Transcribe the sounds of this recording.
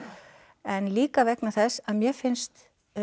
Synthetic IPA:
ɛnliːkavɛknaθɛsːaðmjɛfɪnst̪

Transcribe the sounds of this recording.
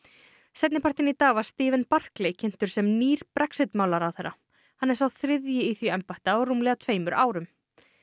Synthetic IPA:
sɛt̪nɪpʰart̪ɪnit̪aːvast̪ɪːvɛnpar̥klejcʰɪn̥t̪ʏɾ̥sɛmniːɾ̥pɾʔɛksɪt̪maːwlaɾawθɛɾːa | hanːɛɾsawθɾɪðjɪiθjiɛmpaht̪aɔɾuːmlɛɣat̪ʰveːjmʏɾʔaːwɾʏm

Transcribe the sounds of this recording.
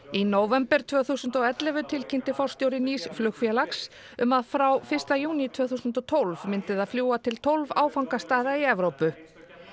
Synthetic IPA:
inoːwvɛmpɛɾ̥t̪ʰvœːθusʏnt̪ɔɛt̪lɛvʏt̪ʰɪlcʰɪnt̪ɪfɔr̥st̪jowɾɪniːsflʏxfjɛlaks | ʏmaðfɾawfɪr̥st̪ajuːnit̪ʰvœːθuːsʏnt̪ɔt̪ʰowlvmɪnt̪ɪðaðfljuːat̪ʰɪlt̪ʰowlvaːwfawŋkast̪aːðaiɛvɾowpʏ

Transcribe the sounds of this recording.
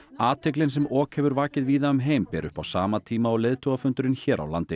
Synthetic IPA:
aːt̪ʰɛk̬lɪnsɛmɔːkhɛvʏɾvaːcɪðviːðaʏmɦeːjmpɛːɾʔʏ̰hpawsaːmat̪ʰiːmaɔɣlɪðt̪ʰɔɣafʏnt̪ʏɾɪnçɛːɾʔa̰wla̰nt̪ɪ

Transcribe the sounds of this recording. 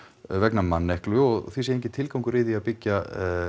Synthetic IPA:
vɛknamanːɛhklʏɔɣθwisɛɾejŋɲcɪt̪ʰɪlkawŋkʏɾɪðiaðpɪcːa

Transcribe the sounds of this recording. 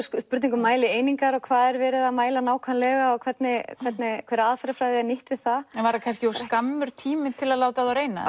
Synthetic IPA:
spʏɾt̪niŋkʏmːaːjlɪeːjniŋkaɾɔɣkʰvaːðɛɾvɛːɾɪðamaːjlanaːwkʰvanlɛɣaɔɣkʰvɛt̪nɪkʰvɛt̪nɪkʰvɛːɾaðfaɾafɾajðɪɛnɪht̪vɪðθaɛvaɾakʰanscɪɔskamːʏɾ̥t̪ʰiːmɪt̪ʰɪlaðlaːwt̪aðawɾeːjna̰

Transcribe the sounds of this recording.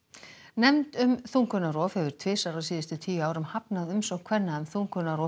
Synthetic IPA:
nɛmt̪ʏmθuŋkʏnaɾɔːfhɛvʏɾ̥t̪ʰvɪːsaɾasiːðɪst̪ʏt̪ʰiːjaːwɾʏmhapnaðʏmsɔɣkʰvɛnːaʏmθuŋkʏnaɾɔː

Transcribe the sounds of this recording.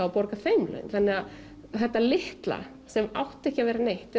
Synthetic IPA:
awpɔɾkafejmlœ̰nanːɛɣað | θɛht̪ːalɪht̪la̰ | sɛma̰wht̪ɛhcɪavɛːɾanejht̪ɛ

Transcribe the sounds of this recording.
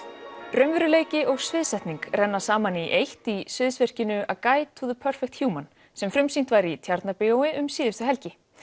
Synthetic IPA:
ɾœɥmvɪɾʏleːjcɪʔɔɣsvɪðsɛjht̪niŋkrɛnːasaːmaniʔejht̪isvɪðsvɛr̥cɪnʏʔakaːjt̪ʰuðʏpʰœr̥fɛk̚t̪hjuːman | sɛmfɾʏmsint̪vaɾit̪ʰjaɾt̪napɪowɪʔʏmsiːðɪst̪ʏɦɛlcɪ

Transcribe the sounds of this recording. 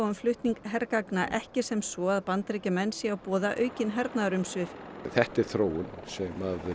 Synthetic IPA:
ʏmflʏht̪niŋkɦɛɾkaknaʔɛhcɪsɛmsvɔaðpant̪ɾejcɪmɛnsiawpɔːðaʔœːɥcɪnɦɛɾt̪naðɾʏmsvɪfθɛht̪ɪɾ̥θɾoːwʏnsɛmað

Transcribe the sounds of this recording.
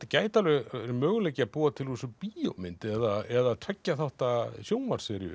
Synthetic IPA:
t̪caːjt̪alʏɾmœːɣʏnlejcɪapuːat̪ʰɪlusʏpio̰wmɪnt̪ɛðaɛðat̪ʰɾɛcːaθaht̪asjoːwnvaɾ̥sɪɾjʏ̰

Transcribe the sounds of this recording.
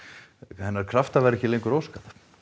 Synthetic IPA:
hɛnːaɾ̥kʰɾaft̪avɛɾɛçcɪlejŋkʏɾowskað̥

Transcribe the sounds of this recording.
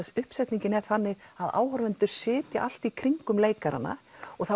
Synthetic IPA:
ɛsʏhpsɛjt̪niɲcɪnɛɾ̥θanːɪɣaða̰ːwhɔɾvɛnt̪ʏɾ̥sɪːt̪jaʔal̥t̪ikʰɾiŋkʏmleːjkaɾa̰nːa̰ɔɣθa

